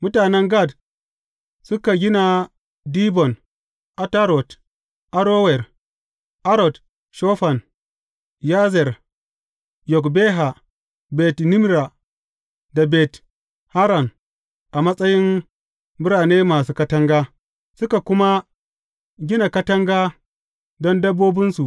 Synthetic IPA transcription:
mʊ˦taː˨nɛ˦ŋɡa˦˨d | sʊ˦ka˨ɡʲɪ˦na˨ | diː˦bɔ˨n | ʔa˦ta˦ɾɔ˨t | ʔa˦ɾoː˦wɛ˨r | ʔa˦ɾɔ˨d | ʃɔː˦ɸa˨n | ja˦zɛ˨r | jɔ˨kbeː˦ɦa˨ | bɛ˨tnɪ˦mɾa˨ | da˨bɛ˨t | ha˦ɾa˨n | ʔa˨mɐ˦sʼɐ˦jɪ˦n | bʊ˦ɽaː˨neː˦maː˨s̬uː˦kɐ˦tɐ˦ŋɡaː˦ | sʊ˦ka˨kʷʊ˦ma˦ | ɡʲɪ˦na˨kɐ˦tɐ˦ŋɡaː˦ | dɔ˦ndɐ˦bːoː˦bɪ˦nsu˨ʔ

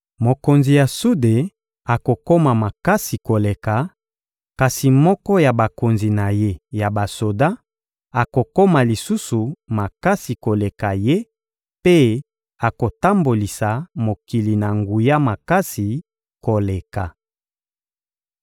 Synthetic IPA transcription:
mo˨ko˨nzi˨ja˨su˦de˨ | a˨ko˨ko˦ma˨ma˨ka˦si˨ko˨le˨ka˨ | ka˨si˨mɔ˦kɔ˦ja˨ba˨ko˨nzi˨na˨je˦ja˨ba˨so˨da˦ | a˨ko˨ko˦ma˨li˨su˦su˨ma˨ka˦si˨ko˨le˨ka˨je˦ | pe˦ | a˨ko˨ta˦mbo˨li˨sa˨mo˨ki˨li˨na˨ŋɡu˨ja˦ma˨ka˦si˨ | ko˨le˨ka˨

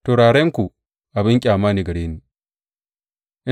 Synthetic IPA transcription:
toː˨ɾaː˨ɽɛ˦ŋkʷu˨ | ʔa˨bɪ˦ŋkʲʼaː˨maː˦niː˨ɡɐ˨ɽeː˦niː˨ | ʔɪ˦

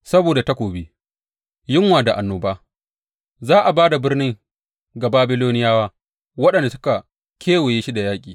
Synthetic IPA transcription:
sɐ˦boː˨da˨ta˦kʷoː˨bi˦ | jɪ˦ŋwaː˨da˨ʔa˨nːoː˨baː˦ | zaː˦ʔa˨baː˦da˨bɪ˦rnɪ˦ŋ | ɡa˨baː˦bɪ˦loː˦nɪ˦jaː˦waː˦ | wɐ˦ɗɐ˨nda˨sʊ˦ka˨ | kʲʰeː˦we˨jeː˦ʃi˦da˨jaː˦kʲʼiː˨

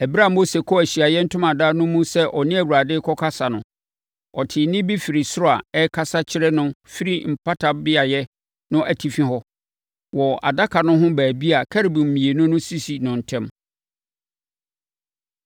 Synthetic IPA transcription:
æ˨bɾa˦˨m˦o˦se˨kʰɔ˦æ˨ɕi˨a˨jɛ˦n̩˦tʰʊ̃˦mã˨da˦nʊ̃˦mũ˦sɛ˦ʔɔ˨nɪ̃˦æ˨wu˨ɾa˨dɪ˦kʰɔ˦kʰa˦sa˨nʊ̃˨ | ɔ˨tʰɪ˨nɪ̃˦bi˦fi˨ɾi˨sʊ˦ɾɔ˦a˨ɛ˦kʰa˦sa˦t͡ɕʰɪ˦ɾɛ˦nʊ̃˦fi˦ɾi˦m̩˨pʰa˦tʰa˨bɪ˦a˨jɛ˦ | nʊ̃˦ʔæ˨tʰi˨fĩ˦ɦɔ˦ | wɔ˨a̰˨da˦kʰa˨nʊ̃˦ɦʊ̃˦bæː˨bi˦a˨kʰa˦ɾi˨bũ˨m̩˨mĩ˨e˨nʊ̃˦nʊ̃˦si˦si˨nʊ̃˨n̩˨tʰɛ̃˦m

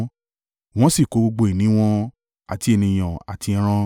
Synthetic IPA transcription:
w̃ɔ̃˦si˦˨ko˨˦ɡ͡bo˧ɡ͡bo˧i˨nĩ˨˦w̃ɔ̃˧ | a̰˨ti˨˦e˧nĩ˧j̃ã˨a̰˨tĩ˧˦ɾ̃ã˧

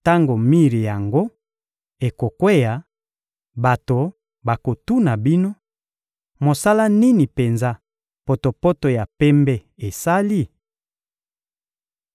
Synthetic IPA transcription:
ta˦ŋɡo˨mi˦ʁi˨ja˨ŋɡo˦ | e˨ko˨kwe˦ja˨ | ba˨to˨ | ba˨ko˨tu˦na˨bi˦no˦ | mo˨sa˦la˦ni˦ni˨pe˨nza˦ | po˨to˨po˦to˨ja˨pɛ˦mbɛ˦ | e˨sa˦li˦

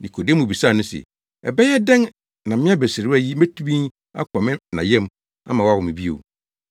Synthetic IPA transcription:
nĩ˨kʰo˨de˦m˦ũ˨bi˨sa˦˨nʊ̃˦sɛ̰˨ | ɛ̰˨bɛ˦jɛ˦dɛ̃˦n | nã˨mɪ̃˦a˦be˨sɪ˨ɾɪ˦æ˦ji˦mæ˦tʰu˦bĩ˦n | a̰˦kʰɔ̃˨mɪ̃˦nã̰˨jɛ̃˦m | a̰˦mã˨wɔ˦a˦wʊ˨mɪ̃˨bi˦o̰˨

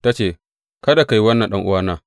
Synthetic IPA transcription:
ta˦t͡ʃeː˨ | kɐ˦da˨ka˨ji˦wɐ˦nːɐ˨nɗɐ˦ŋʔʊ̰˦waː˦naː˦

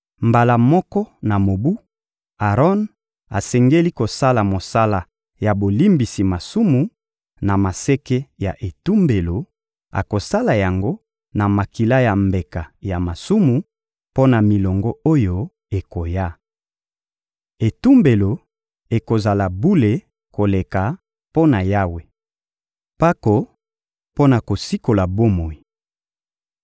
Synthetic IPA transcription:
mba˨la˨mɔ˦kɔ˦na˨mo˨bu˦ | a˨ʁɔ˦n | a̰˨sɛ˨ŋɡe˦li˦ko˨sa˦la˨mo˨sa˦la˨ | ja˨bo˨li˦mbi˨si˨ma˨su˦mu˨ | na˨ma˨se˦ke˦ja˨ʔe˨tu˦mbe˨lo˨ | a̰˨ko˨sa˦la˨ja˨ŋɡo˦ | na˨ma˨ki˨la˦ja˨mbe˨ka˨ja˨ma˨su˦mu˨ | po˦na˨mi˨lɔ˨ŋɡɔ˦o˦jo˦ | e˨ko˨ja˦ | e˨tu˦mbe˨lo˨ | e˨ko˨za˨la˨bu˦le˨ | ko˨le˨ka˨ | po˦na˨ja˦we˨ | pa˦ko˨ | po˦na˨ko˨si˦ko˨la˨bo˦mo˨i˨

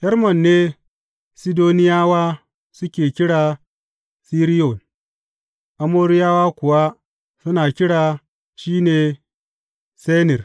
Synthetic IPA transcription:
hɛ˦rmɔ˨nːeː˦ | si˦doː˦nɪ˦jaː˦waː˦ | sʊ˦kʲeː˨kʲɪ˦ɽaː˨ | siː˦ɾi˦jo˨n | ʔa˦moː˦ɾɪ˦jaː˦waː˦kʷʊ˨wa˦ | sʊ˦naː˨kʲɪ˦ɽaː˨ | ʃiː˦neː˨ | se˦nɪ˨r

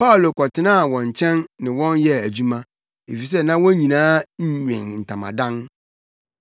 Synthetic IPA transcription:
pʰa˦ʊ˨lo˨kʰɔ˨tʰɪ˨nã˦˨wɔ̃˨ɲ˨t͡ɕʰɛ̃˦nːɪ̃˨wɔ̃˦njɛ˦æ˨d͡ʑu˦mã˦ | e˨fi˨s̬ɛ˦nã˦wɔ̃˦ɲĩ˨nãː˦ɲ̩˦ɲᶣɪ̰̃˨nn̩˨tʰã˨mã̰˨dã˦n

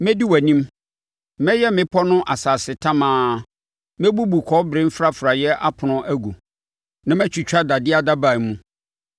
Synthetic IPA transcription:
mɛ̃˦di˦wæ˨nĩ˦m | mɛ̃˦jɛ˦mɪ̃˦pʰɔ˦nʊ̃˦ʔa˨saː˨sɪ˨tʰã˦mãː˨˦ | mẽ˦bu˦bu˨kʰɔ˨˦bɾɪ̃˦m̩˦fɾa˦fɾa˨jɛ˦ʔa˦pʰʊ˨nʊ̃˦ʔæ˦ɡu˨ | nã˦mæ̃˦t͡ɕʰᶣi˨t͡ɕᶣa˦da˨dɪ˦a˦da˦ba˨mũ˦

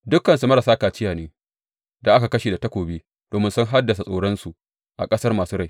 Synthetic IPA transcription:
dʊ˦kːɐ˨nsu˨mɐ˦ɾɐ˨saː˦kaː˨t͡ʃɪ˦jaː˨neː˦ | da˨ʔa˦ka˨kɐ˦ʃeː˨da˨tɐ˦kʷoː˨biː˦ | d̥oː˨mɪ˦nsʊ˦ŋɦa˦dːɐ˨s̬a˨sʼoː˨ɽɔ˦nsu˨ʔ | ʔa̰˨kʼɐ˦sɐ˦rmaː˨suː˦ɽa˦˨

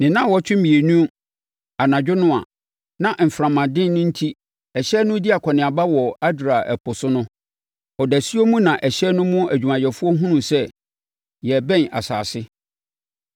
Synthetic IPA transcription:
nɪ̃˨nã˦˨wɔ˦t͡ɕᶣɪ˦m˦mĩ˨e˨nũ˦ | a˨nã˨d͡ʑᶣʊ˦nʊ̃˦a̰˨ | nã˨ʔm̩˨fɾã˨mã˨dɪ̃˦nnʊ̃˦n̩˦tʰi˦ | ɛ˨ɕɛ˦nʊ̃˦di˦a˨kʷʰɔ˨nɪ̃˨a˨ba˦wɔ˨a˦dɾa˨ʔɛ˨pʰʊ˨sʊ˦nʊ̃˦ | ɔ˨dæ˨si˦o˦mũ˦nã˨ʔɛ˨ɕɛ˦nʊ̃˦mʊ̃˦æ˨d͡ʑᶣu˨mã˨jɛ˨fʊ˦ɔ˦ɦũ˦nũ˨sɛ˦ | jɛ˨bɛ̃˦na̰˨sa̰ː˨sɪ˦

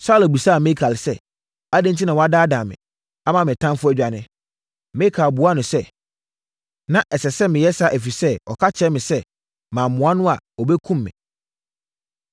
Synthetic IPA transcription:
saː˦læ˨bu˨sa˦˨mɪ̃˦kʰa˨lɪ˨sɛ˦ | a˦dɪ̃˦n˦tʰi˦nã˨wɔ˦a˦daː˦dã˨mɪ̰̃˨ | a˦mã˨mɪ̃˨tʰã˦m˦fʊ˦æ˦d͡ʑᶣa˨nɪ̃˦ | mɪ̃˦kʰa˨bu˨a˦nʊ̃˨sɛ˦ | nã˦ʔɛ˨sɛ˨sɛ˦mɪ̃˨jɛ˦sa˦ʔæ˨fi˨sɛ˦ɔ̰˨kʰa˦t͡ɕʰɛ˦mɪ̃˨sɛ˦ | mã˨mʊ̃˨a˦nʊ̃˦a˨ɔ˨bɛ˦kʰũ˦mːɪ̰̃˨

